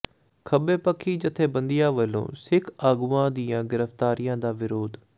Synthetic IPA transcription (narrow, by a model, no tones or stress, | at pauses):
kʰəbeːpəkʰːiːd͡ʒət̪ʰːeːbənd̪ɪjãːʋəlːõ̰ːsɪkʰaːɡuːãːd̪ɪjãːɡɪɾəft̪aːɾɪjãːd̪aːʋɪɾoːd̪